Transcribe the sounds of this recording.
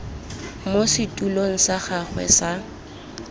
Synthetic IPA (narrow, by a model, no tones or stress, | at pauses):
mosɪtʼuloŋ̩saχaχwɛ̰sa